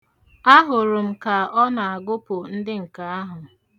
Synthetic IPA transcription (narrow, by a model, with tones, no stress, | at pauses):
a˦ɦʊ˨ɾʊ˨m̩˦ka˨ɔ˦na˨a˨ɡʊ˦pʊ˨n̩˦dɪ˦ŋ̩˨ka˨a˦ɦʊ˨